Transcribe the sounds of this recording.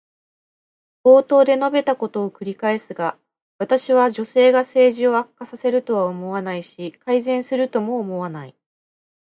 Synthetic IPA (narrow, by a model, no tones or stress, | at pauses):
b̥o̞ːt̪o̞ːd̪e̞no̞be̞t̪ako̞t̪o̞ːkɯ̟ɾʲikae̞sɨɡa | βat̪aɕiβ̞aʑo̞se̞ːɡase̞ːʑio̞akːasase̞ɾɯ̟t̪o̞βaomo̞βanaiɕikaizẽ̞ɰ̃sɨɾɯ̟t̪o̞mo̞ːmo̞βanai